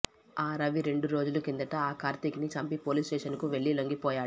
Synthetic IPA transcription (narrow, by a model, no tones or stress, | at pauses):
aːɾɐʋiɾe̞ɳɖuɾo̞ːd͡ʒulukind̪ɐʈɐaːkaːɾt̪iknit͡ʃɐmpipoːliːsʈɛːʃɐnkuʋe̞ɭːiloŋɡipɔːjaː